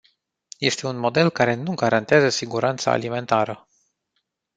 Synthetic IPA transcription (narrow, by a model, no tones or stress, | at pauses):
je̞st̪e̞unmo̞d̪e̞lkaɾe̞nuɡaɾant̪eazəsiɡuɾant̪sa̰ːlime̞nt̪aɾə